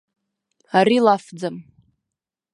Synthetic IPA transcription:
aɾilafd͡zam

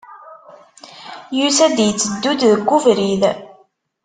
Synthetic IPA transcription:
jusæd̪jət͡sːəd̪ːud̪ðəɡːuvɾið

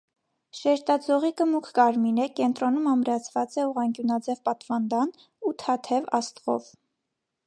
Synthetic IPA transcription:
ʃɛɾt̪ɑd͡zɔʁikəmukʰkɑɾminɛkɛnt̪ɾɔnumɑmɾɑt͡sʰvɑt͡sɛuʁɑŋkjunɑd͡zɛvpɑt̪vɑnd̪ɑn | ut̪ʰɑt̪ʰɛvɑ̰st̪ʁɔ̰v

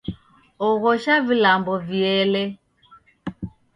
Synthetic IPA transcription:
ɔɣɔʃavilambɔviɛlɛ

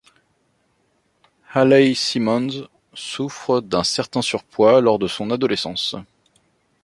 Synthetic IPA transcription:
halasimɔ̃nz | sufχəd̪ɛ̃sɛʁt̪ɛ̃syʁpwalɔʁd̪əsɔ̃nad̪ɔlesɑ̃s

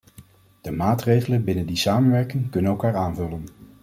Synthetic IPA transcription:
d̥əmaːtrejχələnbɪnəndisaːmənʋɛɹkɪŋkɵnənɛlˠkaːɹaːnvɵlən

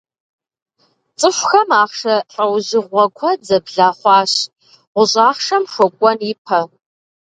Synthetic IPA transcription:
t͡sʼɨɕʷxɐmaːχʂɐɬʼɐwʑɪʁʷɐkʷʰɔd͡zɐbɮaːχʷɑːɕ | ʁʷʊɕʼaːχʂɐmʂʷɔkʷʼɔnipʰɐ

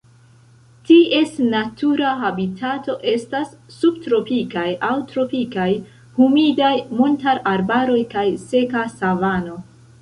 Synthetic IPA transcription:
tiʔe̞snatuɾaɦabitʰato̞ʔe̞stasːub̚tɾo̞pikajawtɾo̞pikaj | humidajmuntaɾaɾbaɾo̞jkajse̞kasavano̞

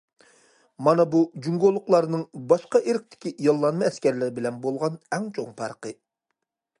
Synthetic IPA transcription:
mɑnɑbud͡ʒyŋɡolˠːʊqlˠɑɾnɨŋbɑʃqɑʔeɾɪk̚ʲt̪ʰɪ̥kʲijɑlˠːɑnmɑɛskʲɛɾlɪɾɪbɪlɛnbolˠʁɑnɛŋt͡ʃʰoŋpʰɑɾqə

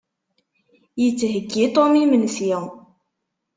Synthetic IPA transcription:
jət͡sːɦəɡːit̪ˤomimənsji

